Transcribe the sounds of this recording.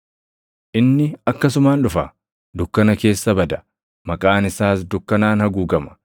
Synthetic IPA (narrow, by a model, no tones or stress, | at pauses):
ʔɪnːɪɐkːɐs̬ʊmaːnᶑʊfɐ | d̪ʊkːɐnɐke̞ːsːɐbɐd̪ɐ̥ | mɐkʼaːnɪsaːs̬d̪ʊkːɐnaːnhɐɡuːɡɐmɐ̥